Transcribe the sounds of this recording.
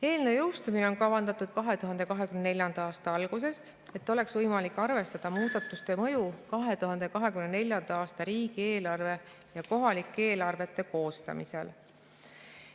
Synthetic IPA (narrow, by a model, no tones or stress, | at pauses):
e̞ːlnejowst̪umineo̞nkɑvɑnd̪ɑt̪ːˑud̪̥kɑɦe̞t̪uɦɑnd̪̥e̞kɑɦe̞kymnene̞lʲjɑnd̪̥ɑɑːst̪ɑɑlɡ̥use̞st̪ | e̞t̪ːˑo̞le̞ksvɤjmɑlikːˑɑrve̞st̪ɑd̪̥ɑmuːd̪ɑt̪ːˑust̪e̞mɤ̞jukɑɦe̞t̪uɦɑnd̪̥e̞kɑɦe̞kymnene̞lʲjɑnd̪̥ɑɑːst̪ɑɾiːɡ̥ie̞ːlɑrve̞ | jɑko̞ɦɑlikːˑee̞ːlɑrve̞t̪ːe̞ko̞ːst̪ɑ̰mise̞̰l